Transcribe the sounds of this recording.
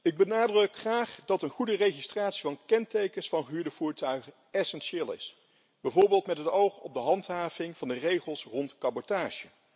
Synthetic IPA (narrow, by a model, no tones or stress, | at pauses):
ɪɡ̚bənaːdrɵkχraːχdɑtənχudərejχistraːtsivɑnkɛntejkənsfɑnχəɦyːɹdəv̥uːɹtœɥχə | ɛsɛnʃeːlˠɪ̰s | b̥ɛjvoːɹbɪːlˠtmɛtɦətowχɔb̚dəɦɑntɦaːvɪŋv̥ɑndərejχəlˠsrɔntkɑbɔtaːʒə